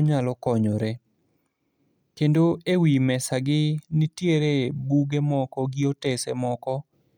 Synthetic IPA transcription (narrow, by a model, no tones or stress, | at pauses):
ɲalɔkɔɲoɾe | kendoewimɛsaɡɪnɪtjeɾebuɡemɔkɔɡɪɔtesɛmɔkɔ